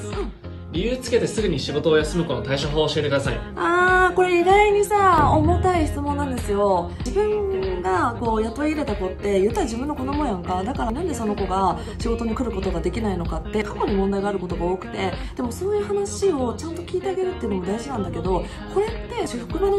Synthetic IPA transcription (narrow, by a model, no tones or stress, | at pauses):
a | ɾʲijɯːt͡sɨ̥ke̞t̪e̞sɨɡɯ̟ɲ̟iɕiɡo̞t̪o̞ːjasɨmɯ̟koot̪aiɕoɦoːɕie̞t̪e̞kɯ̟d̪asaḭ | aːko̞ɾe̞iɡaiɲ̟isaomot̪aiçi̥t͡sɨmõ̞nːãnd̪e̞sɨjo̞ | d͡ʑibɯ̟̃ŋɡako̞ːjat̪o̞iɾe̞t̪ako̞t̪ːe̞jɯ̟t̪ːaʑibɯ̟nːo̞ko̞nomo̞jãŋkad̪akaɾanãnd̪e̞so̞no̞ko̞ɡa | ɕiɡo̞t̪o̞ɲ̟ikɯ̟ɾɯ̟ko̞t̪o̞ɡad̪e̞kʲinaino̞kat̪ːe̞kako̞ɲ̟imõnd̪aiɡaːɾɯ̟ko̞t̪o̞ɡao̞ːkɯ̟̥t̪e̞d̪̥e̞mo̞so̞ːjɯ̟ːhanaɕio̞t͡ɕãnt̪o̞kʲiːt̪e̞aɡe̞ɾɯ̟t̪ːe̞iɯ̟nomo̞d̪aiʑinãnd̪ake̞d̪o̞ | kʰo̞ɾe̞t̪ːe̞ɕɸɯ̟̥kɯ̟beno